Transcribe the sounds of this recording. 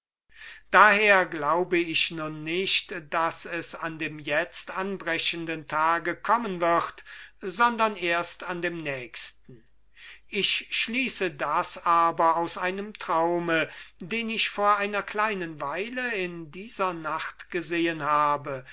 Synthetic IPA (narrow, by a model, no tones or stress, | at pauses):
d̥aːheːɐɡlaʊbəɪçnʊnːɪʃtd̥asɛsandeːmjɛt͡stʔanbʁɛɕəndəntʰaːɡəkʰɔmənvɪχtzɔndɐneːɐstandeːmnɛːkstn̩ | ʔɪʃʃliːsədasaːbɐaʊsʔaɪnəmtʁ̥aʊmədeːnɪçfoːɐʔaɪnɐkl̥aɪnənvaɪləɪndiːzɐnaχtɡ̥əzeːənhaːbə